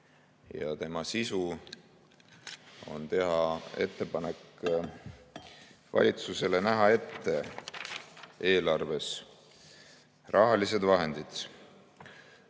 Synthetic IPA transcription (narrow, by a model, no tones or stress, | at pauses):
jɑ̰t̪e̞mɑsisu | o̞̰nt̪e̞ɦɑe̞t̪ːe̞pɑnekː | vɑ̰lʲit̪suse̞lenæɦɑe̞t̪ːe̞ | e̞ːlɑrve̞s | rʔɑɦɑlise̞d̪vɑɦe̞nd̪̥id̪̥